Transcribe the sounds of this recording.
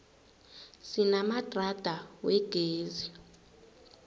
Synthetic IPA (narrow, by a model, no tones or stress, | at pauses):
sinamad̥ʱrad̥ʱawɛɡ̥ʱeːzi